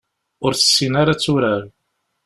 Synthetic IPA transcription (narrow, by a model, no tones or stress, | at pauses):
ʊɾθə̥sːinaɾat͡sːʊɾaɾ